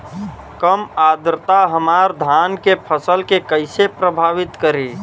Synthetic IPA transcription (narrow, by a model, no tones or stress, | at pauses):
kəmad̪ɾət̪aɦəmaɾd̪ʱankepʰəsəlkekəɪsepɾəbʱaʋit̪kəɾi